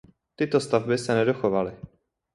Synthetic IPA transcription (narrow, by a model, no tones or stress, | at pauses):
t̪ɪt̪ost̪avbɪsɛnɛdoxovalɪ